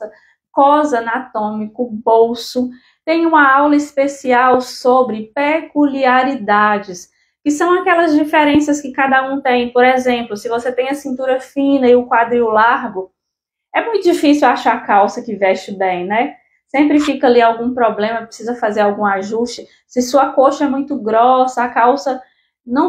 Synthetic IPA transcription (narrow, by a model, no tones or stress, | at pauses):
ɐ | kɔzɐnat̪õmikʊbowsʊ | t̪ẽj̃ũmɐawlɐispesiawsobɾɪpekuliaɾid̪ad͡ʒɪs | kɪsɐ̃w̃akɛlɐzd͡ʒifeɾẽsɐskɪkad̪ɐũt̪ẽj̃poɾezẽmplʊsɪvoset̪ẽj̃ɐsĩnt̪uɾɐfĩnɐɪʊkwad̪ɾiʊlaɾɡʊ | ɛmũj̃t̪ʊd͡ʒifisiwaʃaɾakawsɐkɪvɛʃt͡ʃɪbẽj̃nɛ | sẽmpɾɪfikɐaliawɡũpɾɔblẽmɐpɾɪsizɐfazeɾawɡũaʒuʃt͡ʃɪ | sɪsuɐkoʃɐɛmũj̃t̪ʊɡɾɔsɐakawsɐ | nɐ̃w̃